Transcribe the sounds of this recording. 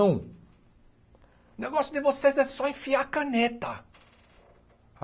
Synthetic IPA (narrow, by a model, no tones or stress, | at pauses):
ɐ̃w̃ | ʊneɡɔsjʊd̪ɪvosezɛsɔẽfiaɾkɐ̃net̪ɐ